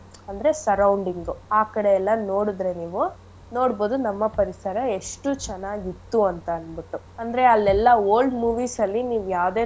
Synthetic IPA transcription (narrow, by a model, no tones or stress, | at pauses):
ɐnd̪ɐɾe̞sɐɾɐwɳɖiŋɡuaːkɐɽeɛlːɐnoːɽud̪ɾe̞niːʋu | no̞ːɽboːd̪unɐmːɐpɐɾisɐɾɐe̞ʂʈut͡ʃɛnaːɡit̪ːuɐnt̪ɐɐnbiʈːu | ɐnd̪ɐɾe̞ɐlːɛlːɐoːlɖmuːʋiːsɐlːiniːʋujaːʋd̪e̞ː